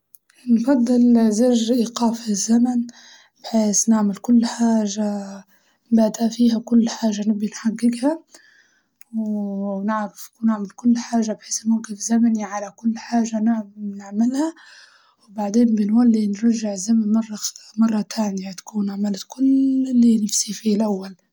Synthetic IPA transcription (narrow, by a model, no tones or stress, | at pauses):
nfɑd̪ˤːɨlzaʒʔiːqaːfzːaman | b̥ħeːsnɪʕmɪlkʊlːħaːʒa | baːd̪ʔafiːɦakʊlːħaːʒːanɪbːinħaɡːɪɡha | wnɪʕfnɪʕmɪlkʊlːħaːʒːabħeːsmʊmɡɪfzamaniʕalakʊlːħaːʒːannɪʕmɪlha | wbaʕd̪eːnbɪnwalːinɾˤɑʒːɪʕɪzːamanmɑrˤːɑmɑrˤːɑt̪ʰaːnjat̪ḁkuːnaʕmalkʊllːinɪfsifilʔawːal